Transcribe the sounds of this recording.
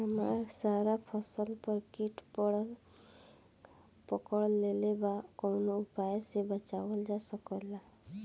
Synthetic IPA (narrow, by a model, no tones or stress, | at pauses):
ɦəmaɾsaɾapʰɔsəlpʌɾkiʈpɔɽʌl | pɔkɔɽlːelebakɔwnoupajsebət͡ʃabʌld͡ʒasʌkɔla